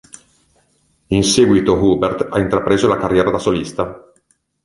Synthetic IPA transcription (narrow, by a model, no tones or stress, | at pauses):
insɛɡwit̪oɣubert̪a̰int̪ɾapɾeːzolakarjɛːɾad̪asolist̪a